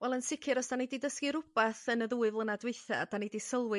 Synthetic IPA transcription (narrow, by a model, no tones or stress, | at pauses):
wɛlˠənsɪkʰɨɾɔsd̥anididəskiɾʊb̥aθənəðuːɨvlˠənadweɨθa̰d̥anidisəlˠwɨ